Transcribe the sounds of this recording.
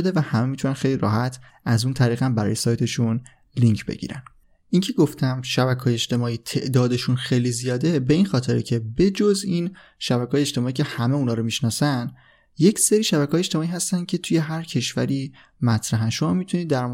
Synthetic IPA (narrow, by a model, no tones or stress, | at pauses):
od̪e̞væhæme̞mit̪ʰunænxe̞jliɾɒ̰ːɦæt̪ʰ | ʔæzunt̪ʰæɾiːɣæmbæɾɒ̰ːjesɒːjt̪ʰe̞ʃun | liŋcʰbe̞̰ɟḭɾæ̰n | ʔincʰe̞ɡoft̪ʰæmʃæbækʰːjeːʃt̪e̞mɒːiːt̪ʰe̞ʔd̪ɒːd̪e̞ʃunxejlizijɒːd̪e̞be̞inxɒːt̪ʰe̞ɾecʰe̞be̞d͡ʒozin | ʃæbækʰːjeʃt̪emɒːiːcʰe̞hæme̞unɒːɾomiʃnɒːsæn | je̞cseɾiːʃæbækʰeːjeʃt̪e̞mɒːiːɦæst̪ænd̪̚cʰe̞t̪ʰuje̞ɦæɾcʰe̞ʃvæ̰ɾiː | mæt̪ʰɾæɦænʃo̞mɒːmit̪ʰuniːd̪ːæɾ